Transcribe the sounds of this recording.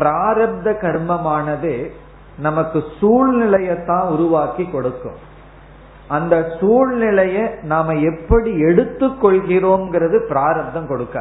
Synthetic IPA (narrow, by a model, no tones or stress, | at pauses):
pɾaːɾɐb̚d̪ɐkɐɾmɐmaːnɐðɯ | nɐmɐkːɯsuːɻnɪlɐjɐt̪ːãːʊɾʊʋaːkikːɔɽɯkːɯ̰̃m | ɐnd̪ɐsuːɻnɪlɐjɐnaːmɐɛpːɐɽiɛɽɯt̪ːɯkːɔɭɣɪɾoːnɡɪɾɐðɯpɪɾaːɾɐb̚d̪ɐmkɔɽɯkːɐ̰ː